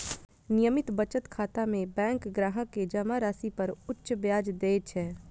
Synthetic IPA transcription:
nɪjəmɪt̪bət͡ʃət̪kʰaːt̪amẽbɛ̃ːŋkɡɾaːɦəked͡ʒɐmaɾaːsipəɾʊtːʃbjaːd͡ʒd̪eːt͡ʃʰɛː

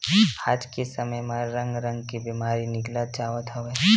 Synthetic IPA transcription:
aːd͡ʒkesəməjmaɾə̃ŋɡɾə̃ŋɡkibiːmaːɾinɪklat̪̚d͡ʒaːʋət̪ɦəʋe

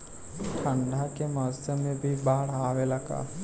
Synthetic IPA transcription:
ʈʰə̃ɳɖʱakemɔːsemẽbʱibaːɽ̤aːwelɐɡa̰ː

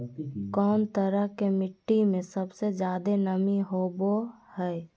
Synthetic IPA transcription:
kɔːnt̪əɾəɦkemɪʈːimẽsəbsed͡ʒjaːd̪enəmiɦoːbohɛː

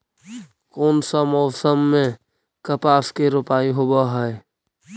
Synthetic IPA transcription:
koːnsamɔːsəmːẽ | kəpaːskeɾʊpaːiɦobaɦɛe

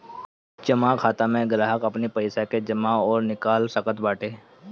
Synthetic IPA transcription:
t͡ʃəmakʰaːt̪amẽɡɾaːɦəkɐpnipəɪsaked͡ʒəmaɔːɾnɪkaːlsəkət̪baːʈʰeː

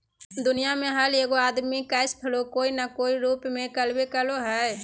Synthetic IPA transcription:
d̪ʊnijamẽɦəleːɡoaːd̪mikaɪspʰəlokoːinakoːiɾuːpmẽkəlbekəloɦɛ

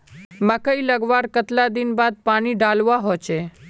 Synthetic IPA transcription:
məkəiləɡʋaːɾkət̪lad̪ɪnbaːd̪̚paːniɖaːlʋaɦot͡ʃʰe

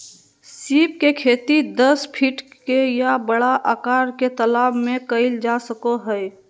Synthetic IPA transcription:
siːp̚kekʰeːt̪id̪əspʰiʈkejabəɽaʔaːkaːɾket̪əlaːbmẽkəɪld͡ʒasəkoɦəj

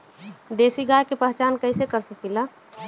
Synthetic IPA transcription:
d̪eːsiɡaːjkepəɦt͡ʃaːnkəɪsekəɾsəkila

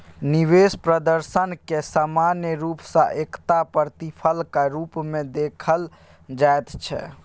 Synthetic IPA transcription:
niʋespɾəd̪əɾsənkesamanjəɾupsə̃ʔekt̪apəɾt̪ipʰəlkaɾupmẽd̪ekʰəl | d͡ʒaet̪t͡ʃʰɛ̰

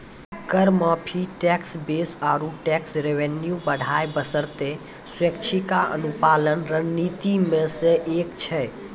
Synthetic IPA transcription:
kəɾməpʰiʈɛksbesaɾuʈɛksɾeʋenjubəɽʱajbəsəɾt̪e | swekt͡ʃʰikaə̰nupalənɾənːit̪imesẽʔekt͡ʃʰɛ

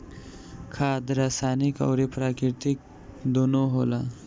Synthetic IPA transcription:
kʰaːd̪ɾaːsaːnikɔ̰wɾipɾaːkɾɪɾt̪ik̚ | d̪oːnoɦoːla

